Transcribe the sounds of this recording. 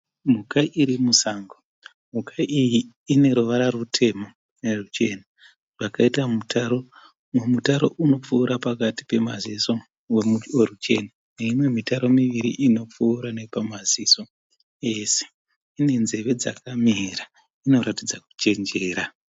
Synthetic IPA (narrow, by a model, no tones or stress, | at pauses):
mukaʔiɾimusaːŋɡo | m̤ukaʔijiː | ne̞ɾuʋaɾarutʰe̞mo̞ | nerut͡ʃe̞na | ʐ̥akaitamutʰaɾo | memutaɾo̞̰ʔuno̞p͡fuːɾapakati̥pe̞maziso̞ | wemuerut͡ʃe̞na | neimwe̞mitaɾo̞miʋiɾḭʔino̞p͡fuːɾane̞pamaziso̞ | e̞se̥ | ine̞nze̞ʋe̞d͡za̰kamira | ino̞ɾatid͡zaku̥t͡ʃe̞nd͡ʒe̞ːɾa